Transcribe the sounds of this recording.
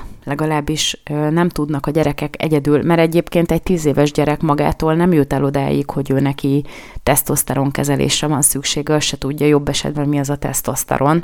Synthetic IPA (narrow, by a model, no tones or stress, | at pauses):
lɛɡɒlaːbːiʃnɛmt̪ud̪nɒkɒɟɛɾɛkɛkɛ̰ɟɛd̪yːlmɛɾɛɟeːpkeːnt̪ɛc̚t̪iːzeːvɛʒɟɛɾɛkmɒɡa̰ːt̪oːlnɛmjut̪ɛlo̞d̪a̰ːjḭkho̞ɟøːnɛki | t̪ɛst̪o̞st̪ɛɾo̞ŋkɛzɛlḛːʃrɛvɒnsykʃeːɡɛɒʃɛt̪uɟːɒjo̞bːɛʃɛ̰d̪bɛnmiɛzɒt̪ɛ̰st̪o̞st̪ɛ̰ɾo̞n